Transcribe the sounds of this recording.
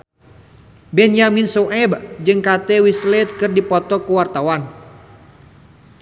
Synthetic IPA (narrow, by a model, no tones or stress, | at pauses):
bɛnjaminsoʔɛbd͡ʒɨŋkat̪ɛwislɛt̪̚kɨrdipɔt̪ɔkuwart̪awan